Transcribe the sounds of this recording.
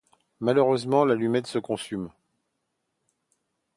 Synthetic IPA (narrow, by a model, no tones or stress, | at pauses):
maløʁøzmɑ̃lalymɛt̪səkɔ̃sym